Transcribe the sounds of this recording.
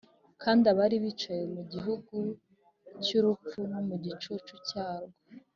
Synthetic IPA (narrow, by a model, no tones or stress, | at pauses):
kʰaːndaβaɾiβit͡ʃaje̞muɟiɦuɡu | cuɾup͡funumuɟit͡ʃut͡ʃucaːɾɡa